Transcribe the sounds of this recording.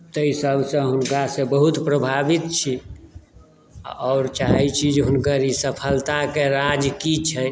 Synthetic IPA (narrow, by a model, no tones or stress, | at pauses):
t̪əisəbʱsə̃ɦunkasebəɦut̪pɾəbʱabit̪t͡ʃʰi | ɔːɾt͡ʃaɦɛt͡ʃʰid͡ʒɦʊnkəɾisəpʰəlt̪akeɾad͡ʒkit͡ʃʰɛ